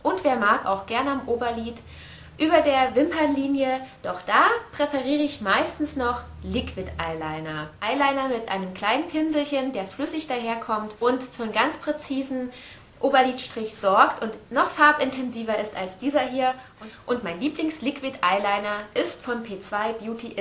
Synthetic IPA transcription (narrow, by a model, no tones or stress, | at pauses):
ʔʊntv̥eːɐmaːka̰ʊxɡ̥ɛɐnəamʔoːbɐliːt | ʔyːbɐdeːɐvɪmpɐnliːnjəd̥ɔχd̥aːpʁ̥ɛfɛʁiːʁəɪçmaɪstn̩snɔχ | lɪkʰv̥ɪtʔaɪlaɪnɐʔaɪlaɪnɐmɪtʔa̰ɪnəmkʰl̥aɪnənpʰɪnzl̩çəndeːɐflʏsɪçd̥aːɦeːɐkʰɔmtʔʊntfyːɐnɡant͡spʁ̥ɛt͡siːzn̩ | ʔoːbɐliːtʃtʁ̥ɪçz̥ɔɐktʊntnɔχfaɐpɪntʰɛnziːvɐɪstalsd̥iːzɐɦiːɐ | ʔʊntmaɪnliːplɪŋslɪkv̥ɪtʔaɪlaɪnɐʔɪstfɔnpʰeːt͡sv̥aɪbjuːtʰiʔ